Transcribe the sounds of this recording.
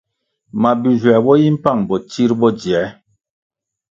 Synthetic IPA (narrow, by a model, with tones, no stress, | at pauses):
ma˨bi˨zwɛ˨bɔ˦ji˦m̩˦pa˦˨ŋbɔ˨t͡ʃi˦ɾbɔ˦d͡ʒi˨ɛ˨˦